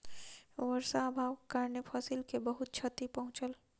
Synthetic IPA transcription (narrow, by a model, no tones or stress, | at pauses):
ʋəɾsaːbʱaːwkaɾnepʰɔːsilkebəɦʊt̪̚t͡ʃʰɐt̪ipɐɦʊ̃t͡ʃəl